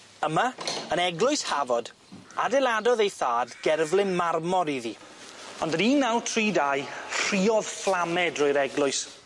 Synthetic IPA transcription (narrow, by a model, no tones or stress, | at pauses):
əmaənɛɡlʊɨshavɔd | a̰dɛlˠadɔðejθaːdɡɛrvlˠɪnmarmɔɾiði | ɔndəniːnːawtʰriːdajr̥iːɔð̥flˠamɛdroɨɾɛɡlˠʊɨs